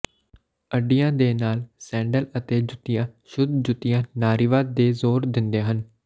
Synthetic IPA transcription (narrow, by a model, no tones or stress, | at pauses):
əɖijãːd̪eːnaːlsɛ̃ːɳɖələt̪eːd͡ʒʊt̪ijãːʃʊd̪d͡ʒʊt̪ɪjãːnaːɾiːʋaːd̪̚d̪eːzoːɾd̪ɪnd̪eːɦən